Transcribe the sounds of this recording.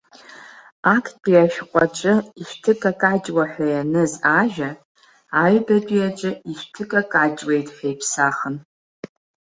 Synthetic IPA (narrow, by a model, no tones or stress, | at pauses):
akʰpʲʼiaʃᶣqʷʼat͡ʃʷʼɨiʃʷᶣtʰɨkʼakʼad͡ʒʼwaħᶣʷajanɨzaʒᶣa | aɥbɐtʼijat͡ʃʷʼɨiʃtʰɨkʼakʼad͡ʒʼwejtʼħejpʰsaːχən